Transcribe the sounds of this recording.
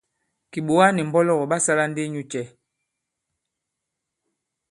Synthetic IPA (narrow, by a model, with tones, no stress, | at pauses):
ki˨ɓo˨wa˦ni˨m̩˨bɔ˦lɔ˦˨ɣɔ˨ɓa˦sa˦la˦n˦de˦ɲu˦t͡ʃɛ˦˨